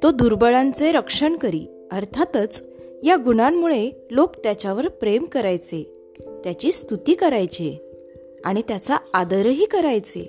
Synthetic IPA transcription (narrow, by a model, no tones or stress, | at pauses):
t̪od̪uɾbəɭãnt͡seɾəkʂəɳkəɾḭː | əɾt̪ʰat̪ət͡s | jaɡuɽ̃amːuɭe | lokt̪jat͡ɕaʋəɾpɾemkəɾajt͡se | t̪jat͡ɕiːst̪ut̪iːkəɾajt͡ɕe | aɽ̃it̪jat͡saad̪əɾɦiːkəɾajt͡sḛ